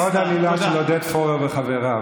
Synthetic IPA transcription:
od̪hamilaʃelod̪et̪foʁeʁveχaveʁa

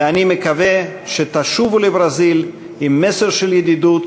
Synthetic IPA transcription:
animekaveʃet̪aʃuvulebʁazil | imːeseʁʃeljed̪id̪ut̪

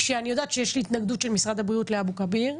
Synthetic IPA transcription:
ʃeanijo̞daːt̪ʃejeʃliːt̪naɡd̪utʃe̞lmisʁad̪abʁiutleabukabiʁ

